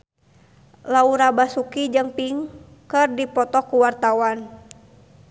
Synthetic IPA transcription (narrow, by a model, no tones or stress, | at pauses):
lauɾabasukid͡ʒɨŋpiŋ | kɨrdipɔt̪ɔkuwart̪awan